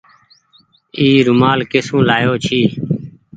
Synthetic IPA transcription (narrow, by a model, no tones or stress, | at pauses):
iːɾʊmaːlkesũːlaːjoːt͡ʃʰiː